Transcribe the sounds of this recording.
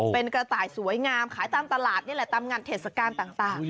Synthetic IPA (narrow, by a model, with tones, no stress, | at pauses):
pe˧nkɾa˧t̪aː˨˩jsu˨˩˦əjŋaː˧mkʰaː˨˩˦jt̪aː˧mt̪a˧laː˨˩t̪̚na˥˩lɛ˨˩˦t̪a˧mŋaː˧nt̪ʰeː˨˩t̪̚sa˧kaː˧nt̪aː˨˩ŋt̪aː˨˩ŋ